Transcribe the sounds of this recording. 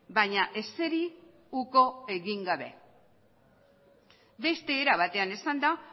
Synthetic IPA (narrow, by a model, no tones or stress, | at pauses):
baɲaʔe̞se̞ɾi | uko̞e̞ɣiŋɡaβe̞̰ | be̞st̪e̞ːɾaβ̞at̪e̞anesand̪a